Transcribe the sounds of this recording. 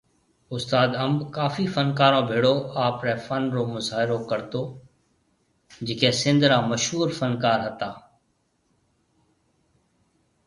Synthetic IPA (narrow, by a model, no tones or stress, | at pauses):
ʊst̪aːd̪əmbkaːfiːfənkaːɾõːbʱeːɽoːaːpɾɛːfənɾoːmʊzaːɦɪɾokəɾt̪oː | d͡ʒɪkẽːsɪ̃nd̪ɾaːməʃɦuːɾfənkaːɾɦət̪aː